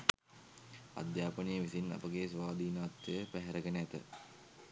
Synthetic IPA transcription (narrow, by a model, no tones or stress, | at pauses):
a̰d̪jaːpənijəʋisina̰pəɡesʋaːd̪iːnaːt̪jəjəpæɦɛɾəɡenəæt̪ə̰